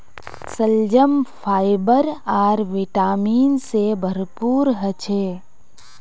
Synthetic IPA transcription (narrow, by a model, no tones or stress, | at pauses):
səld͡ʒəmfʰaːɪbəɾaːɾʋɪʈaːmiːnsebʱəɾpuːɾɦət͡ʃʰeː